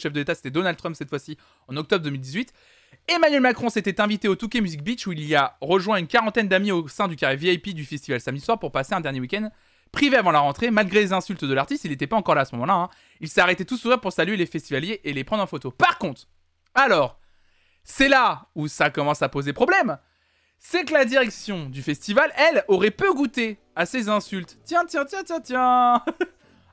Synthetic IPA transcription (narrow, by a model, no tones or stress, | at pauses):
ʃɛfd̪əlet̪ase̥t̪ɛd̪ɔnald̪t̪χɔmpsɛt̪fwasi | ɑ̃nɔkt̪ɔbʁəd̪əmild̪izɥit̪ | emanɥɛlmakχɔ̃set̪ɛt̪ɛ̃vit̪eot̪ukʲemyzik̚bit͡ʃuiliaʁəʒwɛ̃ynkaʁɑ̃t̪ɛnd̪amiosɛ̃d̪ykʲaʁeviajpid̪yfɛst̪ivalsamd̪iswaʁpuʁpaseɛ̃d̪ɛʁnjewikʲɛnd̪ | pχiveavɑ̃laʁɑ̃t̪χemalɡʁelezɛ̃sylt̪d̪əlaʁt̪ist̪ilnet̪ɛpaɑ̃kɔʁlaːsəmɔmɑ̃laɛ̃ | ilsɛaʁɛt̪ɛt̪usuʁiʁpuʁsalɥelefɛst̪ivaljeʔelepχɑ̃d̪ʁɑ̃fot̪opaʁkɔ̃t̪χ | alɔʁ | sɛlausakɔmɑ̃sapozepχɔblɛm | sɛkəlad̪iʁɛksjɔ̃d̪yfɛst̪ivalɛlɔʁɛpøɡut̪e | asezɛ̃sylt̪t̪jɛ̃t̪jɛ̃t̪jɛ̃t̪jɛ̃t̪jɛ̃